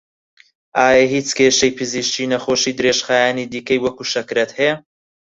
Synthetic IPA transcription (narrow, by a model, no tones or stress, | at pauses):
ʔaːjɐhiːt͡skʰeːʃɐjpʰɨziʃt͡ʃiːnɐχoʃiːd̪ɨɾeːʃχaːjaːniːd̪iːkɐjwɐkuːʃɐkɾɐt̪hɛja